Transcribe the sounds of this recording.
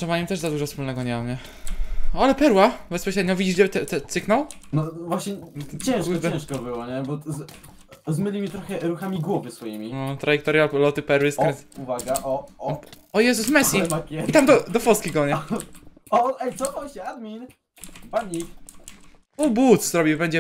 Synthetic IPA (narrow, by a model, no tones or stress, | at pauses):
ʂɛvaɲɛmt̪ɛʐzad̪uʐɔfspulnɛɡɔɲɛmamɲɛ | alɛpɛɾwabɛspɔɕɾɛd̪̚ɲɔvʲid͡ʑiʐdɛt̪ɛt̪ɛt̪sɘknawnɔvwaɕɲɛt͡ɕɛ̃w̃t͡ɕɛ̃w̃ʂkɔbɘwɔɲɛbɔz | zmɘlʲimʲit̪ɾɔxɛɾuxamʲiɡwɔvɘsfɔjimʲinɔt̪ɾajɛkt̪ɔɾjaplɔt̪ɘpɛɾwɘskɾɛ̃uvaɡaʔɔ | ɔjɛzusmɛsʲimakʲɛit̪amd̪ɔd̪ɔfɔst̪kʲiɡɔɲɛ | ɔɛsɔʔɔɕɛad̪mʲin | paɲi | ɔbut̪szɾɔbʲibɛɲd͡ʑɛ